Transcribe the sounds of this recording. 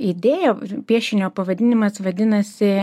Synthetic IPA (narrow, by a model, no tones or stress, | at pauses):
id̪ʲeːjoːpʲiɛʃʲɪnʲoːpɐʋɐd̪ʲɪnʲɪmɐsʋɐd̪ʲɪnɐsʲɪ